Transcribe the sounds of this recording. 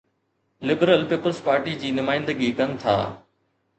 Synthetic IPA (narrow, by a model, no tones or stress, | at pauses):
lɪbɾəlpiːpəlzpaːɾʈid͡ʑiːnʊmaːɪ̃nd̪əɡikɐnɪ̆t̪ʰa̰ː